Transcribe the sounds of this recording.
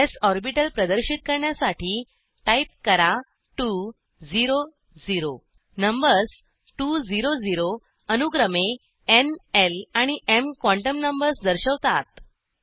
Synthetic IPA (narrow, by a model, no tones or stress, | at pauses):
esɔɾbiʈəlpɾəd̪əɾɕit̪̚kəɾɳjasaʈʰiː | ʈaip̚kəɾa | ʈu | d͡ziɾo | d͡ziɾo | nəmbəɾs | ʈud͡ziɾod͡ziɾo | ənuɡɾəme | enelaɽ̃iʔemkʋɔ̃ɳʈəmnəmbəɾsd̪əɾɕəʋt̪a̰t̪